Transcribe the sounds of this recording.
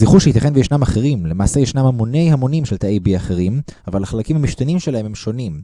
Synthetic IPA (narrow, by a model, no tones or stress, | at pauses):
ziχuʃeit̪jaχenvejeʃnamaχeʁimlemaːsejeʃnamhamo̞ne̞jhamo̞nimʃelt̪aejbiaχeʁ̞im | avalaχalakimhamiʃt̪animʃelaɦe̞memʃo̞nim